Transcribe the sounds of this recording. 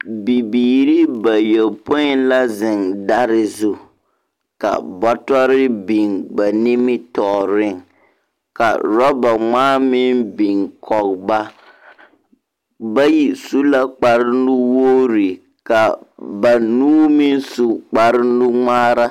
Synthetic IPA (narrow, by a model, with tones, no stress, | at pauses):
bi˨biː˨ɾi˦ba˨jɛ˨lpo˦ɪ˦nla˦zɪ˨ŋda˦ɾɪ˦zu˦ | ka̰˨bɔ˦tɔ˦ɾɪ˦bi˨ŋba˨nɪ˦mɪ˦tɔ˨ɾɪ˦˨ŋ | ka̰˨ɾɔ˦ba˨ŋaː˦mɪ˦nbi˨ŋkʰɔ˨kba˦ | ba˦ji˨su˦la˦k͡pa˨ɾɪ˦nʊ˦woː˦ɾɪ˨ | ka˨ba˨nuː˦mɪ˦nsu˨k͡pa˨ɾɪ˦nʊ˦ŋaː˦ɾa˦